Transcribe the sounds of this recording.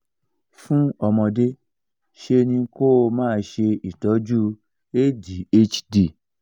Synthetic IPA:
fũ˦ɔ˧mɔ̃˧de˦ | ʃe˧nĩ˧ko˦˨mãː˦˧˦ʃe˧i˨tɔ˨˦d͡ʒu˦ | e˦di˨˦e˦t͡ʃdi˦˨

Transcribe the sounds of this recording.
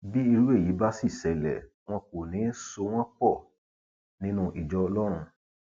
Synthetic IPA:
bi˦i˧ɾu˦e˦˨ji˨˦ba˦si˦˨sɛ˨lɛ̰˨ | w̃ɔ̃˧ko˨nĩ˨˦so˧w̃ɔ̃˦k͡pɔ˦˨ | nĩ˧nũ˧ʔi˨d͡ʒɔ˧lɔ˦ɾ̃ũ˧

